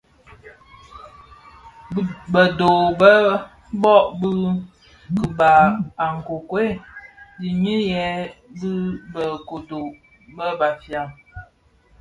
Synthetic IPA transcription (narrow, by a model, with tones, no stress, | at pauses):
bə˨do˨bə˦ | bɔ˦ʔbɨ˦ | kɨ˨ba˨a˨ŋ̩˨ko˨kwe˦di˨ɲi˦jɛ˨˦bɨ˦bə˨ko˨do˨ | bə˦ba˨fja˨ŋ